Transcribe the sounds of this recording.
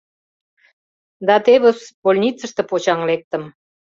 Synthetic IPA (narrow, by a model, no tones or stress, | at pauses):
d̪ɑt̪eβəsbolʲnʲit͡sə̆ʃt̪ĕpot͡ɕɑŋlek̚t̪ə̆m